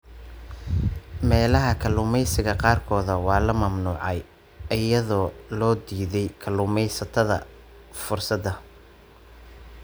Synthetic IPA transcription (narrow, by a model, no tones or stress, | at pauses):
mɛːlɐɦɐkʰɐlʊmɛjsɪɣɐqɑːrkʰɔːðɐwɑːlɐmɐmnuːʕɑj | ɪjɐðɔːlɔːd̪iːðɛjkʰɐlʊːmɛjsɐt̪ʰɐðɐ̰ | fʊrsɐd̪ɐ